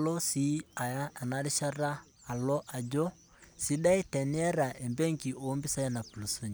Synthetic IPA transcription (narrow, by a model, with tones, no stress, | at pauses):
lɔ˦si˨˦a˨ja˦a˨na˦ɾi˦ʃa˦ɾaː˦˨ | lɔ˦ʔa˨d͡ʒɔ˦ | si˦ɗa˦i˦tɛ˨ni˦ɛ˦ɾa˨ʔe˨mbɛ˦ŋki˨ʔo˨˦mbi˦sa˦jɛ˦na˨pu˨lu˨so˦ɲi˨